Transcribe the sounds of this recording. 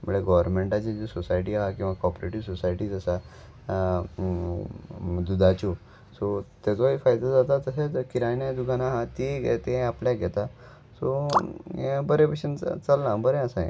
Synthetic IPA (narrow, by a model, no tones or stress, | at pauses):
m̤əɭeɡɔʋəɾmeɳʈat͡ɕed͡ʑesosajʈiːɦakĩw̃ʋakɔpɾeʈiʋsosajʈiːd͡zəsa | d̪ud̪ʱat͡ɕo | sɔt̪at͡soifajd̪ad͡zat̪at̪əsekiɾajnjad̪uɡanaɦãt̪iɡḛt̪eapljaɡʱɛt̪a | so | ẽbəɾẽpeɕənt͡salnãbəɾẽəsãḛ̃